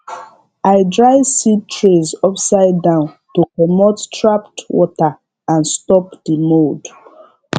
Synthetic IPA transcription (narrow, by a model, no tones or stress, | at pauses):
aɪdɹaɪsitɹezɔpsaɪdːãʊ̃n | tokɔmottʰɹaptwɔ̰ta | ãnstɔpd̥imod